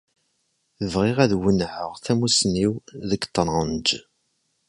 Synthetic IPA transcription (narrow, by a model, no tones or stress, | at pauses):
θəvʁɪʁæðwənʕəʁθæmusniwðəɡt̪ˤːɾˤɑnd͡ʒ